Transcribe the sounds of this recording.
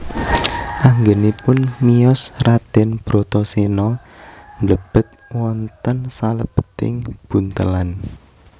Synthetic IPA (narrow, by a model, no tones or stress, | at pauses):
ʔaŋɡənipʊnmijɔsrad̪̥ɛnb̥ɾot̪ɔsenɔ | nləb̥ə̤t̪̚wɔnt̪ənsaləb̥ə̤̥t̪ɪ̰ŋb̥unt̪ə̰lan